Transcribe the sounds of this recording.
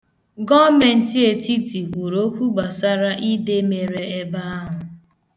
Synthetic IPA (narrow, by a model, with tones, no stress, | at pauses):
ɡɔ˦me˨n̩˨˦ti˦e˨ti˦ti˨kʷu˨ɾo˦kʷu˦ɡ͡ba˨sa˦ɾa˦ʔi˦de˦me˨ɾe˨e˦ba˦a˦ɦʊ˨